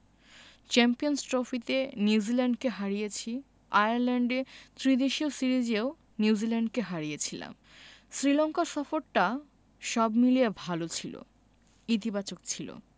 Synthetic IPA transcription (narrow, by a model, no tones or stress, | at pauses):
t͡ɕɛmpionsʈɾofit̪eniud͡ʑilɛɳɖkeɦaɾijet͡ɕʰi | ajaɾlɛɳɖet̪ɾid̪eʃiosiɾid͡ʑeo | niwd͡ʑilɛɳɖkeɦaɾijet͡ɕʰila̰m | sɾilɔŋkasɔfoɾʈa | ʃɔbmiliebʱalot͡ɕʰilo̰ | it̪̬ibat͡ɕokt͡ɕʰilo̰